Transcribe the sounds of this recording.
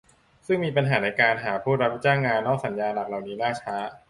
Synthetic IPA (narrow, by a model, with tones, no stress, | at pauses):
sɯ˥˩ŋmiː˧pa˧nɦaː˩˦na˧jkaː˧nɦaː˩˦pʰuː˥˩t̪̚ɾa˦˥p̚t͡ɕaː˥˩ŋːaː˧nːɔː˥˩k̚sa˩˦njaː˧nla˨˩k̚la˨˩wniː˦˥naː˥˩t͡ɕʰaː˦˥